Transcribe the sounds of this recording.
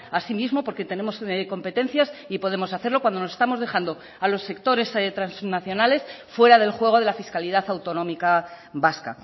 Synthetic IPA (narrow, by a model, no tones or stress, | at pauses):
asimizmo̞po̞ɾke̞t̪e̞ne̞mo̞sko̞mpe̞t̪e̞nθjasipo̞ð̞e̞mosaθeɾlo̞kwand̪onosest̪amo̞zðe̞χand̪o̞ | alo̞sːe̞k̚t̪o̞ɾe̞set̪ɾansznaθjo̞nale̞sfwe̞ɾaðe̞lxwe̞ɣ̞o̞ðe̞lafiskaliðaθawt̪o̞nõ̞mika | βaska̰